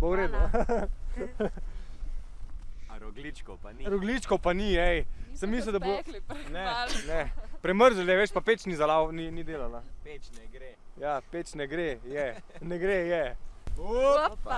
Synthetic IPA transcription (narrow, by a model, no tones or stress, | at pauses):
pɔwɾeːd̪ | ɾɡlit͡ʃk | ɾɔɡlit͡ʃkɔwpaniɛjsəmːiːs̬ləd̪abonɛnɛpɾɛməɾzəlɛʋeːʃpapet͡ʃnizalawninid̪eːlala | jaːpet͡ʃnɛɡɾejɛnɛɡɾejɛ